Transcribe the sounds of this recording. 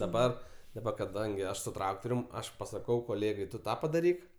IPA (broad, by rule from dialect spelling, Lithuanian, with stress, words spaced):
dɐˈbɐr dɐˈbɐ kɐˈdɐŋʲɡʲɪ ˈɐʃ sʊ trɐktoːrʲʊm ˈɐʃ pɐsɐˈkɐʊ koːˈlʲeːɡɐɪ ˈtʊ ˈtɑː pɐdɐˈrʲiːk